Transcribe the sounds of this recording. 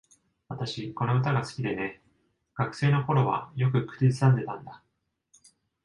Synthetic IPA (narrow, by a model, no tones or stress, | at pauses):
βat̪aɕiko̞no̞ɯ̟t̪aɡasɨ̥kʲid̪e̞ne̞ | ɡ̥akɯ̟̥se̞ːno̞ho̞ɾo̞βa̰jo̞kɯ̟kɯ̥ɾʲizɨsãnd̪e̞t̪ãnd̪a